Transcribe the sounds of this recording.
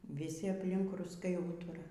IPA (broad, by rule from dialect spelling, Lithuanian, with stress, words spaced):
ʋʲɪˈsʲɪ ɐpʲˈlʲɪŋk rʊsˈkɐɪ ˈuːtʊrɐ